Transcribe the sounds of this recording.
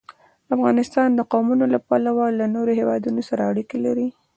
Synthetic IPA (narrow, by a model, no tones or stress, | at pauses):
afɣɑnɪst̪ɑnd̪əqɑmunolapalawɑlːanoɾohewɑd̪unosaɾaːɽikelaɾi